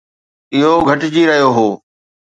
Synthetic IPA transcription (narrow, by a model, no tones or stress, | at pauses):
ɪɦoɡʱɐʈd͡ʑiɾɐɦijoɦoː